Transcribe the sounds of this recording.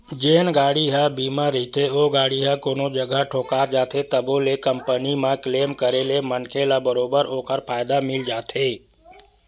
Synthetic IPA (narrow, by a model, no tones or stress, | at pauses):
d͡ʒeːnɡaːɽiɦəbiːmãɾəɦit̪ʰeoːɡaːɽiɦəkoːnod͡ʒəɡʱəʈʰoːkaːɾd͡ʒaːt̪ʰet̪əbolekəmpənimãkleːmkəɾelemənkʰelabəɾoːbəɾoːkəɾpʰaːjd̪amɪld͡ʒaːt̪ʰeː